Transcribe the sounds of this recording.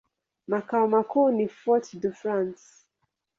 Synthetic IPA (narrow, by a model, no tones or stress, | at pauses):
makawmakunifɔtdufɹãns